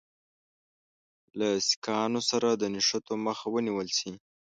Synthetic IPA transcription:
lasi̥kɑnosaɾad̪ənɪʃat̪oməxawəniwəlsi

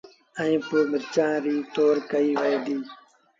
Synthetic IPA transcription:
ə̃ĩːpoːɓət͡ʃãːɾiːt̪oːɾkəiːʋəeːd̪iː

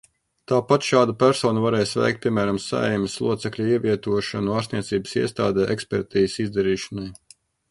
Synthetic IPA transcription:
t̪aːpat̪ʃaːd̪apʲæɾsɔːnuvaɾɛːjsvæ̰jkt̪̚pʲiɛmæːɾamsa̰ɛ̰jmɪslˠṵɔt̪sɛklʲuiɛviɛt̪uɔʃanuaːɾsniɛt̪siːbə̥sḭɛst̪a̰ːd̪ɛːʔɛkspʲɛɾt̪iːsizd̪ɛɾiːʃḁnaj

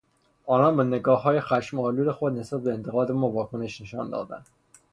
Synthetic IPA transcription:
ɒːnɒːnbeneɡɒːɦːɒːjexæʃmɒːluːlexod̪nesbæt̪̚beːnt̪ʰe̞ɣɒːd̪emovɒːkʰone̞ʃne̞ʃɒ̰ːnd̪ɒ̰ːd̪æ̰nd̪̥

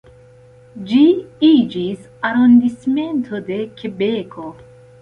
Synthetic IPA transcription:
d͡ʒiid͡ʒis | aɾond̪isme̞nt̪ʰod̪e̞kʲʰebekʰo

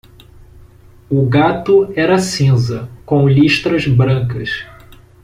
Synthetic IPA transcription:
ʊɡat̪ʊɛɾɐsĩzɐkõw̃liʃt̪ɾɐzbɾɐ̃kɐs

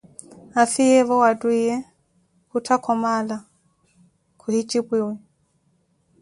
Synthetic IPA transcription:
afijɛβɔwadwijɛ | kutʰakʰɔmala | kʰuhit͡ʃibwiwi

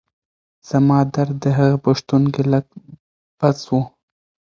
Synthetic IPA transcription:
z̥amɑd̪aɾd̪əɦaɣapaʃt̪unkeləɡ̚ | b̥at͡swu

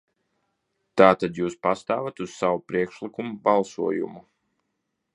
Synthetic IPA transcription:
t̪aːt̪ad̪juːspast̪aːvat̪uz̥sawupɾiɛkʃlˠikumubalˠsuɔjṵmu

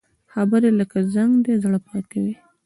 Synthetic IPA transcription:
xabəɾeləkazaŋɡd̪ezɽəpɾɑt̪awi

